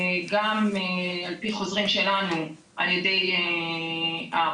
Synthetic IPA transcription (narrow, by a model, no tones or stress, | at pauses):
ɡamalpiχo̞zʁimʃe̞lanu | ʔaljedej | a